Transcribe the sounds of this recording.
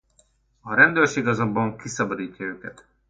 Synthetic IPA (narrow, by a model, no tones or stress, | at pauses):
ɒɾɛnd̪øːrʃeːɡɒzɒbːɒŋkisɒbɒd̪iːcːɒøːkɛt̪